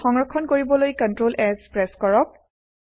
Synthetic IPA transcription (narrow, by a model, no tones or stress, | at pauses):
xɔŋɹɔkʰːɔnkoɹibɔlojkɔntɹolʔɛkspɹɛskɔɹɔp̚